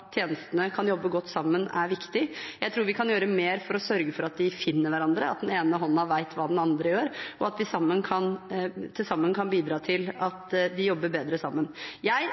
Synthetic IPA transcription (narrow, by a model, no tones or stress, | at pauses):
t̪ʰjeːnəst̪ənəkʰɑnjɔbːəɡɔt̪ːsɑmːənæ̰ɾʋɪkt̪ɪjæɪt̪ʰɾuːɾʋɪkʰɑnjøːɾəmeːɾfɔɾɔsœɾɡəfɔɾɑt̪̚d̪ɪfɪnːəɾʋæɾɑnd̪ɾəɑt̪̚d̪ɛneːnəɦɔnːɑʋæɪt̪ʰʋɑːd̪ɛnɑnd̪ɾəjøːɾɔɑt̪̚d̪ɪsɑmːənkʰɑnt̪ʰɪlsɑmːənkʰɑnbiːd̪ɾɑːt̪ʰɪlɑt̪d̪ɪjɔbːəɾbeːd̪ɾəsɑmːənjæɪ